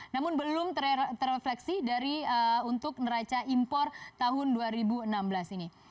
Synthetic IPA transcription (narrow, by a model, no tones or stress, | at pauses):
namʊnbəlʊmt̪ət̪əreflɛksidaɾiəunt̪ʊk̚nəɾat͡ʃaʔimpɔrt̪aɦʊnduaɾibuənambəlasini